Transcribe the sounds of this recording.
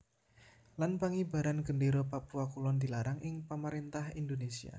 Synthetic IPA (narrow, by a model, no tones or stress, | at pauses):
lanpaŋiba̤ɾanɡəndiɾopapuwakulɔnd̪ilaɾaŋʔɪŋpəməɾint̪ahindonesia̰